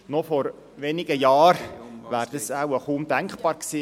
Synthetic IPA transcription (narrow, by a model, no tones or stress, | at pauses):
nɔfɔɾ | ʋenɪɡəjɑːɾʋæːɾd̥̪əsawəχumd̥æŋkχb̥ɑːɾksiː